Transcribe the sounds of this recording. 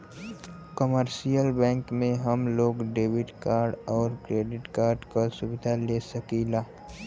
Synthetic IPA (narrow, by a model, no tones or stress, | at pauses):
kəməɾʃijəlbɛ̃ːŋkmẽɦɐmloːɡɖeːbɪʈkaːɾɖɔːɾkɾeːɖɪʈkaːɾɖkasʊbɪd̪ʱaleːsɐkiːlaː